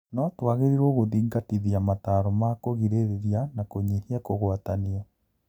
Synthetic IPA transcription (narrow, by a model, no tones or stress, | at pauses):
nɔtwaɣeɾiɾɔɣoðiːŋɡatiðiamataɾomakoɣiɾeɾeɾjanakoɲehiakoɣwatania